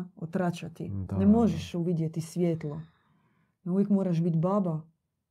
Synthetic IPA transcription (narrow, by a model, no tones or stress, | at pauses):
ot̪ɾat͡ʃat̪inemo̞ʒɛʃuʋid̪jet̪isʋʲjeːt̪lˠo | nauʋjekmoːɾaʃbit̪baːba